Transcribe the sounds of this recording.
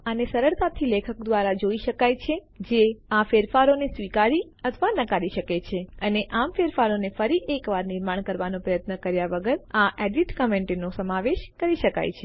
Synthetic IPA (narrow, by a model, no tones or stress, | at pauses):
anesəɾəɭt̪at̪ʰilekʰək̚d̪ʋaɾad͡ʒoiʃəkajt͡ʃʰe | d͡ʒeafeɾfaɾonesʋikaɾi | ət̪ʰʋanəkaɾiʃəket͡ʃʰeəneʔamfeɾfaɾonefəɾiʔekʋaɾnɪɾmaɳ̃kəɾʋanõpɾəjət̪nəkəɾjaʋəɡəɾaʔɛɖiʈkəmẽɳʈenosəmaʋeʃkəɾiʃəka̰jt͡ʃʰe